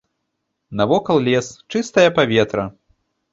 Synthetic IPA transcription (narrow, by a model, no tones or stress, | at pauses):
nɐvɔkɐlˠlʲɛst͡ʂɨst̪ɐjɐpavʲɛt̪ɾɐ